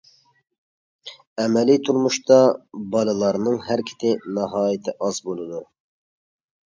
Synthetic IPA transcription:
ɛmɛlit̪ʰuɾmuʃt̪ɑbɑlˠɨlˠɑɾnɨŋhæɾkʲʰɪ̥t̪ʰɪnɑɦɑːjɪt̪ʰɪʔɑzbolˠɨd̪u

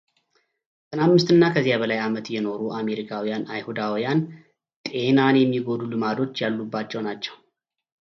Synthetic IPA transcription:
sʼɨnamːɨst̪ɨnːakʰəzːijabəlajamət̪jɛno̞ɾuʔame̞ɾikʰawijanajhud̪awijan | t̪ʼe̞nanjɛmːiɡo̞d̪ulɨmad̪o̞t͡ʃːjalːubːat͡ʃːɛwnat͡ʃːɛw

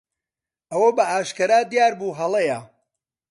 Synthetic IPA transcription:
ʔɐwɐbɐʔaːʃkɐɾaːd̪jaːɾbuːɦɐlˠejɐ

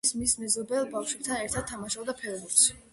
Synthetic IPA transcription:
smismɛzɔbɛlˠbafʃwɛp̚t̪ʰanɛɾt̪ʰad̪̥̚t̪ʰːamaʃɔbd̪apʰɛɾbuɾs

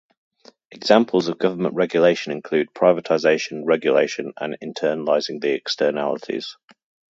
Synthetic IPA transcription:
ɛɡz̥ãmpʰəlˠzəvɡʌvəmə̃nʔɹɛɡjəleɪʃə̃nɪ̃nkʰl̥ʉːd̚pʰɹ̥aɪvətʰaɪzeɪʃə̃nɹɛɡjəleɪʃə̃nə̰̃nɪ̰̃ntʰɜːnəlaɪzɪ̃ŋðiɛkstʰɜːna̰lɪtʰɪ̰z̥

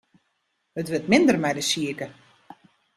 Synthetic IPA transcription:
hətʋɪtmɪndərmɛjdəsiəkə

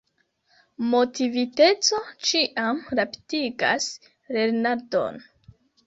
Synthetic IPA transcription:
mo̞tivite̞t͡so̞t͡ʃiʔamɾapi̥tiɡa̰s | ɾe̞ɾnaɾdo̞̰n

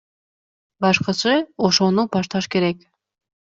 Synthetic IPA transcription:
bɑʃqɯsɯoʃo̞nupɑʃt̪ɑʃke̞ɾek

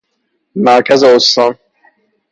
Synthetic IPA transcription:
mæɾkʰæzeost̪ɒːn

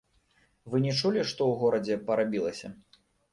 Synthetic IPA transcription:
vɨnʲɛt͡ʂulʲiʂt̪ɔwɣɔɾɐd͡zʲɛpɐɾabʲilˠɐsʲɐ

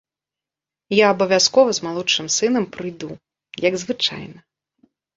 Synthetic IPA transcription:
jaːbɐvʲaskɔvɐzmalˠɔt͡ʂɨmsɨnɐmpɾɨjd̪u | jɐɡzvɨt͡ʂa̰jnɐ

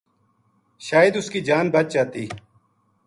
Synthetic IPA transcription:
ʃaːjəd̪ʊskiːd͡ʒaːnbət͡ʃ̚d͡ʒaːt̪iː

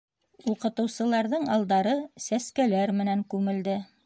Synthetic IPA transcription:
uqɤ̆t̪ɤ̆wsɤ̆lˠɑɾðɤɴɑlˠd̪ɑɾɤsæskælæɾmɘ̆næŋkʉmɘ̆ld̪ɘ

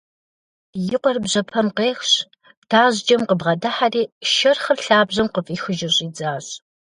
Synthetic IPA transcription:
jɪqʷɔrbʑɐpʰɐmqeːxɕ | b̥tʰaːʑd͡ʒɐmqəbʁɐdaħariːʃɐrχɐrɬaːbʑɐmqəfʼiːxɨʒɪɕʼiːd͡zaːɕʼ

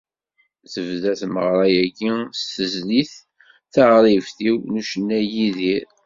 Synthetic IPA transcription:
θəvðæθməʁɾˤɑjæɡist̪ːəzliθ | θəʁɾˤivθiwnuʃənːæjiðiɾ

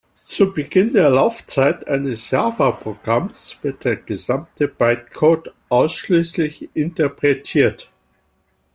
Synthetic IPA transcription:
t͡subəɡɪndeːɐlaʊft͡saɪtʔaɪnəsjaːvapʁ̥oɡ̥ʁamsv̥ɪɐt̚d̥eːɐɡ̥əzamtʰəb̥aɪt̚kʰoːtʔaʊsʃliːslɪçʔɪntəpʁ̥ɛtʰiːɐt

